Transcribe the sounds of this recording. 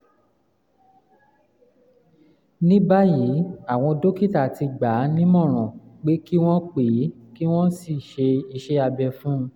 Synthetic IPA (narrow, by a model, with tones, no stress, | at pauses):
nĩ˦ba˦ji˨˦a˦˨w̃ɔ̃˧do˦ki˦˨ta˦˨ti˧ɡ͡ba˨˦nĩ˦mɔ̃˦˨ɾ̃ɔ̃˨k͡pe˦ki˦w̃ɔ̃˦k͡pe˨˦ | ki˦w̃ɔ̃˦si˦˨ʃe˧i˧ʃe˦a˧bɛ˧fũ˦˧